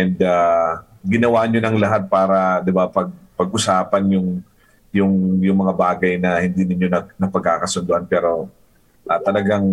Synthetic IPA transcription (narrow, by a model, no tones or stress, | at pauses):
ʔɛnd̪a | ɡɪnɐwaːʔɲonɐŋlɐɦat̪̚paːɾɐd̪ɪbapɐɡ̚pɐɡʔʊsaːpɐnjʊŋ | jʊŋjʊŋmɐŋabaːɡɐjnɐhɪnd̪inɪɲjo̞nɐnɐpɐɡ̚kːaːkɐsʊnd̪ʊʔanpɛːɾo̞ | ʔɐːt̪ɐlɐɡaŋ